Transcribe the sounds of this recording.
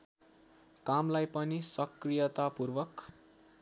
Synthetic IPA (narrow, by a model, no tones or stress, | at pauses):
kamlajpʌnisʌkrijʌt̪apurʋʌk